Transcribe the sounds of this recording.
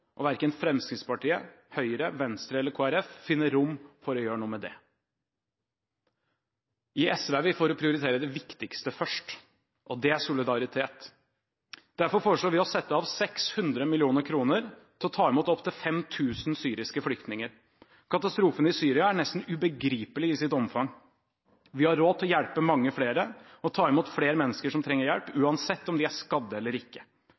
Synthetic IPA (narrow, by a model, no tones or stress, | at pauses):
ʔɔʋæɾkənfɾɛmskɾɪt̪spɑʈiːə̰ | hœʏɾəʋɛnst̪ɾəɛlːəɾkʰoːæɾɛfːɪnːəɾʊmːfɔɾɔjøːɾəɳuːəmɛd̪ɛ̰ | ɪɛsʋeʋɪfoːɾɔpʰɾɪʊɾɪt̪ʰeːɾəd̪ɛʋɪkt̪ɪkst̪əfœʂʈ | ʔɔd̪ɛæʂʊlɪd̪ɑɾɪt̪ʰeːt̪ | d̪̥æɾfɔɾfoːɾəʂloːɾʋɪɔsɛt̪ːəɑʋsɛkshʉnd̪ɾəmɪlɪuːnəɾkʰɾuːnəɾt̪ʰɪlɔt̪ʰɑːɪmuːt̪ɔpt̪ʰɪlfɛmt̪ʰʉːsn̩syːɾɪskəflʏk̚t̪nɪŋəɾ | kʰɑt̪ɑst̪ɾuːfənəɪsyːɾɪɑæɳɛst̪n̩ʉbəɡɾiːpəlɪɪsɪt̪ɔmfɑŋ | ʋɪhɑɾːoːt̪ʰɔjæɽpəmɑŋːəfleːɾəɔt̪ʰɑːɪmuːt̪fɽeːɾəmɛnːəskəʂɔmt̪ʰɾɛŋːəɾjɛlpʉːɑnsɛt̪ːɔmd̪ɪæʂkɑd̪ːəɛlːəɾɪkːə